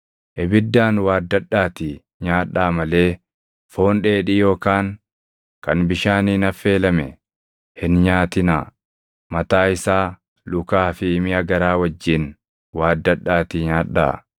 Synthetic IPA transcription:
ʔɛbɪd̪ːaːnwaːd̪ːɐɗːaːt̪ɪ | ɲaːᶑːaːmɐle̞ː | fo̞ːnᶑeːᶑɪjo̞ːkaːŋ | kɐnbɪʃaːniːnɐfːe̞ːlɐmɛ | hɪnɲaːt̪ɪnaː | mɐt̪aːɪsaː | lʊkaːfɪːmɪɐɡɐɾaːwɐd͡ʒːɪn | waːd̪ːɐᶑːaːt̪ɪɲaːᶑːa̰ː

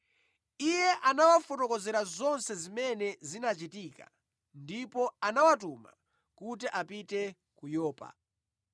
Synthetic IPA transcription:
ijɛʔanawafɔtɔkɔzɛɾazɔnsɛzimɛnɛzinat͡ʃitiːka̰ | ndipɔanawatuma̰ | kutiʔapitɛ | kujɔːpa̰

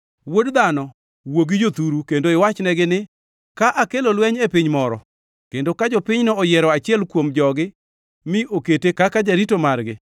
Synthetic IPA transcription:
wodd̪anɔ | woɡid͡ʒot̪uɾukendoɪwat͡ʃnɛɡɪnɪ | kaʔakelolwɛɲepɪɲmɔɾɔ̰ | kendokad͡ʒɔpɪɲnɔːjɛɾɔat͡ʃɪɛlkwomd͡ʒɔɡɪ | mɪʔoketekakad͡ʒaɾitomarɡɪ

